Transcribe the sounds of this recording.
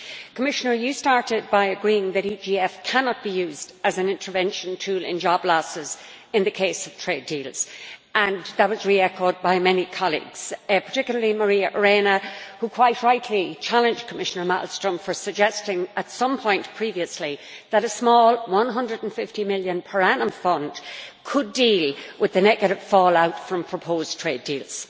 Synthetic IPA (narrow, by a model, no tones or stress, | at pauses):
kʰəmɪʃənə˞jɨstɑɹɾɪd̚baɪɨɡɹiɪ̃ŋðɨɾid͡ʒiɛfkʰanɑt̚b̥ijʉːzdəzɨ̃nɪ̃ntʰə˞vɛ̃nʃə̃ntʰʉlɪ̰̃nd͡ʒɑblɔsɪz | ɨ̃nðɨkʰeɪsʌv̥tʰɹ̥ediːlˠz̥ə̃nðət̚wɒzɹiɛkoʊd̚baɪmɛnikʰɑlˠḭɡz̥pʰə̥˞tʰɪkjl̩ˠə˞liməɹiəʔə˞enəhukʰw̥aɪʔ̚ɹaɪtʰlit͡ʃʰalɨ̃nd͡ʒkʰəmɪʃənə˞ma̰ʔl̩ˠstɹ̥ə̃mfə˞səɡ̚d͡ʒɛstɪ̃ŋətsʌ̃mpʰɔ̃ɪ̃npʰɹ̥iviəsliðəɾəsmɔːlˠwʌ̃nɦʌ̃ndɹədn̩fɪftimɪljɨ̃npʰə˞anə̃mfʌ̃nd̥kʰədilˠwɪðɨnɛɡɨɾɨv̥fɔːlaʊtfɹʌ̃mpʰɹ̥əpʰoztʰɹ̥eɪdiːlˠz̥